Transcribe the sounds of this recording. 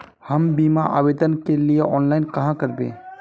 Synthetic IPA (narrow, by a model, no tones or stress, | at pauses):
həmbimaʔa̰bed̪ənkelieʔɔːnlaɪnkəɦãkəɾbḛ̃